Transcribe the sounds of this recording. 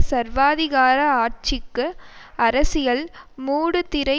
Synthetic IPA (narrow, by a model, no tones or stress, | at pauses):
sɐɾʋaːðɪɣaːɾɐaːɾt͡ʃɪkːɯɐɾɐsɪjɐlmuːɽɯt̪ɪɾɐɪ